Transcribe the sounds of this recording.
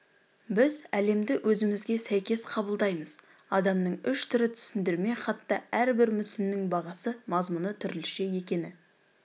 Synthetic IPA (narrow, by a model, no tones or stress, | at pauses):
bɪzæle̞md̪ɪwʔɵzɪmɪzɡʲe̞sæjkʲe̞sqʰɑbəlˠd̪ɑjməz | ɑd̪ɑmnəɴʏʃt̪ʰʏɾɪt̪ʰʏ̥sɪnd̪ɪɾme̞χɑt̪ːɑæɾbɪɾmʏsɪnːɪŋbɑʁɑsəmɑzmunət̪ʰʏɾɪlʃeje̞kʲe̞nɪ